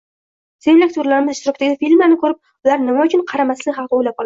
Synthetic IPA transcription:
semlakʲt̪ʰʊɾlaɾɪmɪzɪʃt̪ɪɾɒkt̪aɡʲɪfilmanɪkʰɵɾɪp̚ | ʊlaɾnɪmaʊt͡ʃʰʊnqʰɑɾamaslɪχɑlqɨojlap̚qɒlˠ

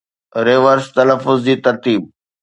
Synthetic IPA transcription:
ɾeːʋəɾst̪ɐləfːʊzd͡ʑiːt̪ɐɾt̪iːb̚

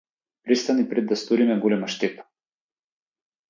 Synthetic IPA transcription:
pɾist̪anipɾɛd̪ːast̪oɾimɛɡɔlɛmaʃt̪ɛp̪ḁ

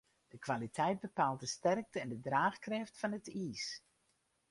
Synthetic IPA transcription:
d̥əkʋalitʰɛjt̚bəpaːlˠt̚dəstɛrk̚təɛndədraːxkrɪftfɑnətiːs

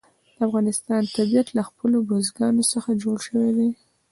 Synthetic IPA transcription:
d̪̥əafɣɑnɪst̪ɑnt̪abijat̪laxpəlobozɡɑnosəxad͡ʒoɽʃəwed̪e

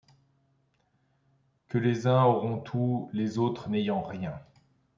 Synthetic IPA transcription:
kəlezɛ̃ɔʁɔ̃t̪ʰulezot̪χnejɑ̃ʁjɛ̃

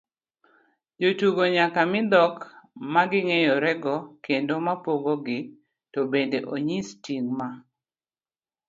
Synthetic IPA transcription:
d͡ʒotuɡoɲakamɪd̪ɔkmaɡɪŋejɔɾɛɡɔkendomapoɡoɡɪ | tobendeʔoɲistiŋma

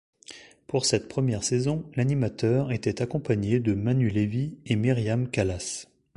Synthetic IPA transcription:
puʁsɛt̪pχəmjɛʁsezɔ̃lanimat̪œːʁet̪ɛt̪akɔ̃paɲed̪əmanyleviemiʁjamkalas

